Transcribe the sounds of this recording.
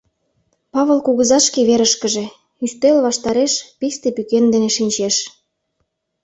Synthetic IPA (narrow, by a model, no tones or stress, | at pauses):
pɑβɤlkuɣə̆zɑʃkeβeɾəʃkə̆ʒe | yst̪elβɑʃt̪ɑɾeʃpist̪epykend̪eneʃinʲt͡ɕeʃ